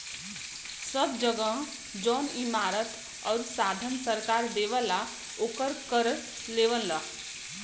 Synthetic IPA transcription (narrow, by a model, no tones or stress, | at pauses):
səbd͡ʒəɡəɦ | d͡ʒɔːnimaːɾət̪ | ɔːɾsaːd̪ʱənsəɾkaːɾd̪eːʋəla | oːkəɾkəɾ | leːʋənlə